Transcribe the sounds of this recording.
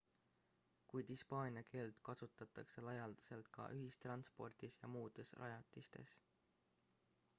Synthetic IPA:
kujd̪̥ispɑːnʲjɑke̞ːlt̪kɑsut̪ːˑɑt̪ːˑɑkse̞lɑjɑld̪̥ɑ̥se̞lt̪kɑ̰ʔyɦist̪rɑnspo̞̰rd̪̥isjɑmuːd̪̥e̞srʔɑ̰jɑt̪ˑːist̪e̞̰s

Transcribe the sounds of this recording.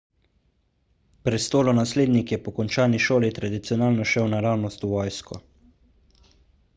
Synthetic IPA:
pɾɛst̪oːlɔnasleːd̪nikjɛpɔkɔnt͡ʃaːniʃoːlit̪ɾad̪it̪sijɔnaːlnɔʃɛwnaɾaːwnɔst̪uʋɔːjskɔ̰

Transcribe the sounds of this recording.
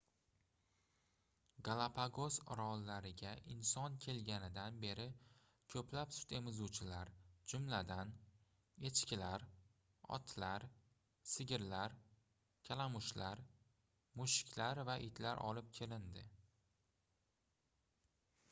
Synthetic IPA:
ɡalˠapʰaɡozɾɒlːaɾɪɡʲaʔɪnsɒnkʲʰe̞lɡʲanɪd̪anbe̞ɾɪ | kʲʰɵpʰlapsʊ̥t̪e̞mɪzut͡ʃʰɪlaɾd͡ʒʊmlad̪an | e̞t͡ʃkʲɪlaɾ | ɒ̰t̪ʰlaɾ | sɪɡʲɪɾlaɾ | kʲʰalamʊʃlaɾ | mʊʃɪ̥kʲʰlaɾvaʔɪt̪ʰlaɾʔɒ̰lɪp̚kʲʰe̞lɪnd̪ɪ

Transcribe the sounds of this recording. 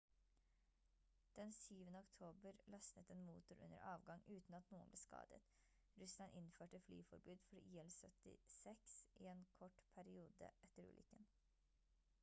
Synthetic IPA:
d̪̥ɛnsyːʋənəɔkt̪ʰoːbəɾlɑst̪ət̪eːnmṵːt̪ʊɾʔʉ̰nːə̰ɾʔɑːʋɡɑŋʉːt̪n̩ɑt̪nuːənbleːskɑ̰ːd̪ə̰t̪ | ɾʉslɑnʔɪnføːʈəfly̰ːfɔɾbʉːd̪fɔɾiːɛlsœt̪ɪ̰sɛksʔɪeːnkʰɔʈpʰæɾɪuːd̪ə̰ʔɛt̪əɾʉ̰ːlʏkən

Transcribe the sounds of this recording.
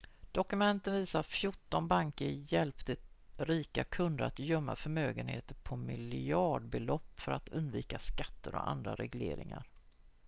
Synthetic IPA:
d̪̥ɔkɵmɛnt̪ənviːsafjʊʈːɔnbaŋkəɾjɛlpt̪ə | ɾiːkakʰɵnd̪əɾat̪jœmːafœɾmøːɡənhḛːt̪əɾpʰɔmɪlɑːɖbɛlɔpːfœɾat̪ɵnd̪viːkaskat̪ːəɾɔ̰a̰nd̪ɾa̰ɾɛɡleːɾɪ̰ŋa̰ɾ

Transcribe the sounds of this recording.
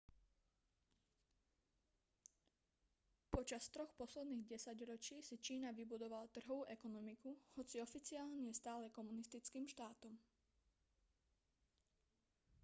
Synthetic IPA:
pɔt͡ʃast̪ɾɔxpɔslɛd̪niːɣɟɛsaɟɾɔt͡ʃiːsit͡ʃiːnaʋibud̪ɔʋalat̪r̩ɦɔʋuːʔɛkɔnɔmikuhɔt͡siɔfit͡siaːlɲɛst̪aːlɛkɔmunist̪it͡skiːmʃt̪aːt̪ɔm

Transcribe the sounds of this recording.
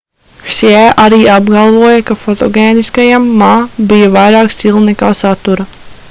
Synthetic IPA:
sɛʔaɾiːʔabɡalˠvuɔjɐkafot̪o̰ɡʲeːniskajamːaːbijavajɾaːksʲt̪ʲilˠnɛkaːsat̪uɾɐ

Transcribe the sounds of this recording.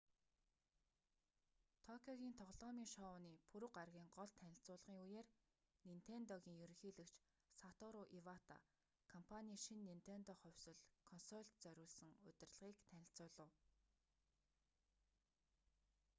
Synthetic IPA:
t̪ʰɔkʰʲɔɣʲiːnt̪ʰɔʁɮɔːmiːŋʃɔʊniːpʰɵɾɵ̆qarɣʲiːŋɢɔɮt̪ʰːænʲɪ̆ɬt͡sʊːɮʁiːŋujeːr | nin̥t̪ʰent̪ɔɣʲiːŋjɵɾɵ̆xiːɮɘ̆kt͡ɕ | sat̪ɔɾʊʔiwat̪ʰa̰ | kʰɔmpʰanʲiːʃinːin̥t̪ʰent̪ɔχœwʲsɵ̆ɮkʰɔnsɔɮt̪t͡sœɾʲʊːɮsɘ̆ŋɵt̪ʲɪ̆rɮʁiːkt̪ʰænɪ̆ɬt͡sʊːɮə̆ːw

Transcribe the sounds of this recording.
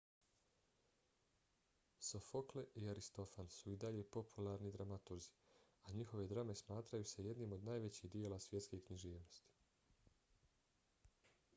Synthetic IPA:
sofo̞kle̞ʔiaɾist̪o̞fansuid̪aʎe̞po̞pʰulˠaːɾnid̪ɾamat̪uɾzi̥ | aɲixo̞ʋe̞d̪ɾame̞smaːt̪ɾajuse̞je̞d̪niːmo̞d̪naːjʋe̞t͡ɕiɦd̪ie̞lasʋje̞t̪skekɲiʒiːʋno̞st̪i̥

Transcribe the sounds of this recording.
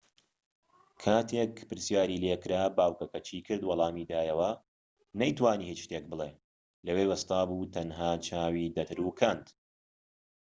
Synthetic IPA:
kʰaːt̪ʰeːkpɨɾsjaːɾiːlekɾaːbaːwkɐkɐt͡ʃʰiːkʰɨɾd̪wɑlˠɑːmiːd̪aːjɐwɐ | nɐjt̪waːniːhit͡ʃʃt̪eːk̚bɨleː | lɐweːwɐst̪aːbuːt̪ʰɐnɦaːt͡ʃʰaːwiːd̪ɐt̪ʰɨɾuːkʰɐnd̪

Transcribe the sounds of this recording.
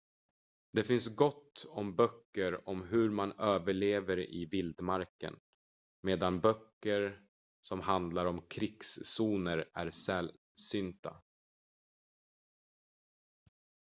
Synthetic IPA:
d̪ɛfɪnsɡɔt̪ːɔmbœkːəɾɔmɦɵɾmanøːvəɭeːvəɾɪ̰vɪld̪maɾkə̰n | meːd̪anbœkːəɾ | sɔmhand̪laɾɔmkʰɾɪksːuːnəɾæ̰ɾsɛl | sʏnt̪a̰

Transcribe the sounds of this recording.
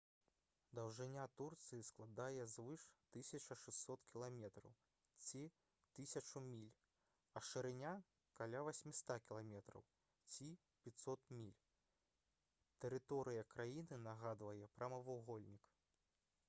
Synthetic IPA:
d̪ɐwʐɨnʲat̪urt̪sɨjisklˠad̪ajɛzvɨʂt̪ɨsʲɐt͡ʂɐʂɨsːɔt̪kʲilˠamʲɛt̪ɾɐ̰w | t͡sʲi | t̪ɨsʲɐt͡ʂumʲilʲ | ɐʂɨɾɨnʲa | kalʲavasʲmʲist̪akʲilˠamʲɛt̪ɾɐ̰w | t͡sʲi | pʲit̪sɔt̪mʲilʲ | t̪ɛɾɨt̪ɔɾɨjɐkɾajinɨnɐɣad̪vɐjɛpɾɐmɐvuɣɔlʲnʲik

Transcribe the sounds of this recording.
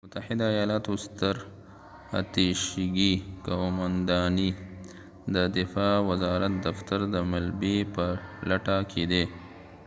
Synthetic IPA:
mʊt̪aħɪd̪aːjɑlɑt̪ʊst̪aɾ | a̰t̪iʃɡikawmand̪ɑni | d̪əd̪ɪfɑwazɑɾat̪̚d̪aft̪aɾd̪əmalbepəlaʈakʰed̪e

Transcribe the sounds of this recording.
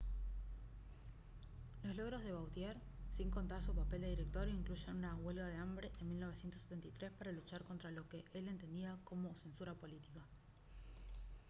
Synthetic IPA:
lo̞slo̞ɣɾo̞zðe̞βawt̪jeɾsiŋko̞nt̪asupape̞ld̪e̞ðiɾe̞k̚t̪oɾjoiŋkluʃenunawe̞lɣað̞eambɾe̞ʔenmilno̞β̞esjent̪osːet̪ent̪ajt̪ɾe̞spaɾalut͡ʃaɾko̞nt̪ɾalo̞keʔele̞nt̪e̞nd̪iako̞mo̞se̞nsuɾapo̞lit̪ika

